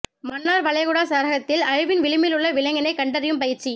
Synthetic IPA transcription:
mɐnːaːɾʋɐɭɐjɣʊɽaːsaːɾɐɣɐt̪ːɪlɐɻɪʋɪnʋɪɻɯmɪlɯɭːɐʋɪlɐŋɡɐnɐɪkɐɳɖɐɾɪjɯmpɐjɪɾt͡ʃi

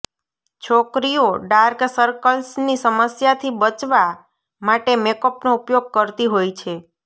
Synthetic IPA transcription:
t͡ʃʰokɾijoɖaɾksəɾkəlsnisəməsjat̪ʰibət͡ʃʋa | maʈemekəpnoupjoɡ̚kəɾt̪iɦojt͡ʃʰe

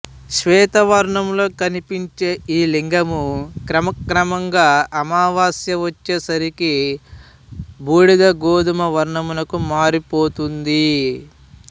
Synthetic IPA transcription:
ʃʋɛːt̪ɐʋɐɾɳɐmlo̞ːkɐnipiɲt͡ʃe̞ːʔiːliŋɡɐmukɾɐmɐkɾɐmɐŋɡaːɐmaːʋaːsjɐʋɐt͡ʃːeːsɐɾiki | buːɽiɡ̪ɐɡoːd̪umɐʋɐɾɳɐmulɐkumaːɾipo̞ːt̪und̪i

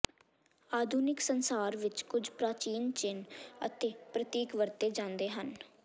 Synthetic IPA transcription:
aːd̪ʱuːnɪksənsaːɾʋɪt͡ʃkʊd͡ʒpɾaːt͡ʃiːnt͡ʃɪnə̰t̪eːpɾət̪iːkʋəɾt̪eːd͡ʒãːnd̪eːɦən

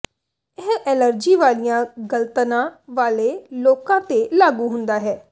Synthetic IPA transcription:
ɪɦɛːləɾd͡ʒiːʋaːlijãːɡəlt̪nãːʋaːleːloːkãːt̪eːlaːɡuːɦʊnd̪aːɦɛː

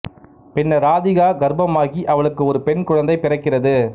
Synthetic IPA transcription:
pɛnːɐɾaːðɪɣaːɡɐɾbɐmaːɣiʔɐʋɐɭɯkːɯɔɾɯpɛɳkʊɻɐnd̪ɐɪpɪrɐkːɪrɐðɯ

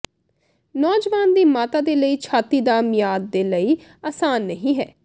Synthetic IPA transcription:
nɔːd͡ʒʋaːnd̪iːmaːt̪aːd̪eːləiːt͡ʃʰaːt̪iːd̪aːmɪjaːd̪̚ːeːləiː | aːsaːnːəɦĩːɦɛː

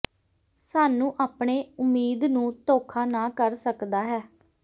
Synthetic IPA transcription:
saːnũːʔaːpɳeːʊmːiːd̪nũːt̪oːkʰaːnaːkəɾsəkd̪aːɦɛː

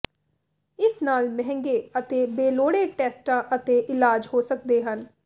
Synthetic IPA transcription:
ɪsnaːlmɛ̃ɦɛ̃ŋɡeːət̪eːbeːloːɽeːʈɛːsʈãːʔət̪eːʔɪlaːd͡ʒɦoːsək̚d̪eːɦən

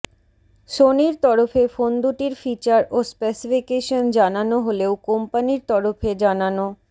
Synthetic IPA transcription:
ʃoniɾt̪ɔɾofefond̪uʈiɾfit͡ɕaɾospesifikeʃond͡ʑananoɦoleokompaniɾt̪ɔɾofʰed͡ʑanano

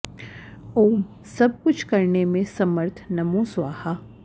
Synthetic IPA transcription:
oːm | sɐb̚kʊt͡ʃʰkɐɾnemẽsɐməɾt̪ʰnɐmũsʋaːha

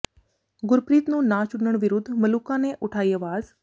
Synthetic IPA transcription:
ɡʊɾpɾiːt̪nũːnaːt͡ʃʊɳːəɽ̃ʋɪɾʊd̪ʱːmɐluːkãneʔʊʈʰaːiːəʋaːz

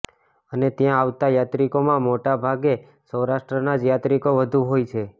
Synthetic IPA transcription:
ənet̪jãaʋt̪ajat̪ɾikomãmoʈabʱaɡe | səwɾaʃʈɾənad͡ʒjat̪ɾikoʋəd̪ʱuɦojt͡ʃʰe

